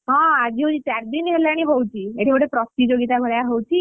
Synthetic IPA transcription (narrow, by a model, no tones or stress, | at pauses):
ɦɔ̃ad͡ʑiɦowt͡ɕit͡ɕjaɾd̪inɦeleaɽ̃iɦowt͡ɕieʈʰeboʈepɾɔst̪id͡ʑoɡit̪aɡʱoɭjaɦowt͡ɕi